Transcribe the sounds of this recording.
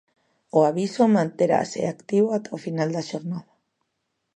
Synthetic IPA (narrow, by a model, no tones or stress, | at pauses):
oaβisomãnt̪eɾa̰sḛakt̪iβoat̪ʰaofinald̪aʃoɾnaða